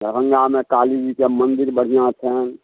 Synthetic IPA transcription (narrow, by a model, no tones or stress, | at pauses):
əbə̃ŋɡamẽkaːliːd͡ʒikemə̃nd̪ɪɾbəɽ̤ijãt̪ʰɛn